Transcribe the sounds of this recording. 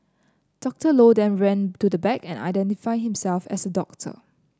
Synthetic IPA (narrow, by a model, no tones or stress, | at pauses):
d̥ɔk̚təlodɛ̃nɹɛ̃ntudəbɛkɛ̃na̰ɪdɛ̃ntifaɪhĩmsɛlfɛ̰sədɔk̚tʰə̰